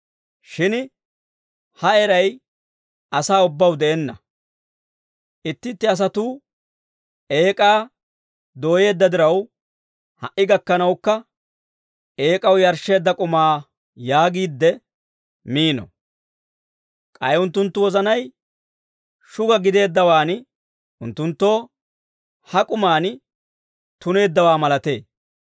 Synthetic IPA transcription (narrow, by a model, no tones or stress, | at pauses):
ʃɪn | hɐɛɾɐj | ɐsaːʊbːɐwd̪ɛʔɛnːɐ | ʔɪt̪ːɪt̪ːɪɐs̬ɐt̪uː | ʔe̞ːkʼaː | d̪o̞ːje̞ːd̪ːɐd̪ɪɾɐw | hɐʔːɪɡɐkːɐnɐwkːɐ | ʔe̞ːkʼɐwjɐɾʃe̞ːd̪ːɐkʼʊmaː | jaːɡiːd̪ːɛ | miːnɔ̰ | kʼɐjʊnt̪ːʊnt̪ːʊwɔzɐnɐj | ʃʊɡɐɡɪd̪e̞ːd̪ːɐwaːn | ʊnt̪ːʊnt̪ːo̞ː | hɐkʼʊmaːn | t̪ʊne̞ːd̪ːɐwaːmɐlɐt̪e̞ː